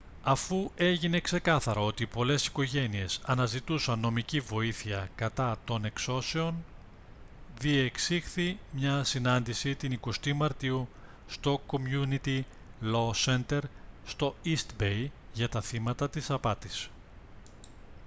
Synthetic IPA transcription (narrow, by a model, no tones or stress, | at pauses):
ɐfue̞ʝine̞kse̞kɐθɐɾɐo̞t̪ipo̞le̞si̥ko̞ʝe̞nie̞sɐnɐzit̪usɐnːo̞micivo̞iθiɐkɐt̪ɐt̪o̞ne̞kso̞se̞o̞n | ðieksixθimɲɐsinɐnd̪isit̪iniko̞st̪imɐɾt̪iu | st̪o̞ko̞mjunit̪i | lo̞se̞nt̪e̞ɾst̪o̞ist̪bejʝɐt̪ɐθimɐt̪ɐt̪isɐpɐt̪is